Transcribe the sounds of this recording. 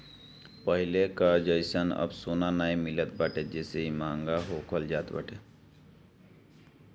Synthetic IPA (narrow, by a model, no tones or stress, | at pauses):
pəɦilekəd͡ʒəjsənə̰bsonanajmilət̪baʈed͡ʒeseimaŋɡaɦokʰəld͡ʒat̪ba̰ʈʰe